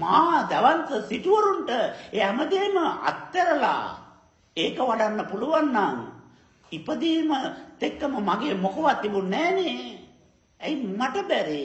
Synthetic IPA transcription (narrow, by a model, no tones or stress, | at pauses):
maːd̪ɐʋɐnt̪ɐsiʈuʋɐɾuɳʈɐeɐmɐd̪eːmɐɐ̰t̪ːɐɾɐla̰ː | eːkɐʋɐɽɐnːɐpuluʋɐnːaŋ | ipːɐd̪eːmɐt̪ekːɐmɐmɐɡeːmokɐʋat̪ːibunɛːni | ɐjmɐʈɐbɛɾi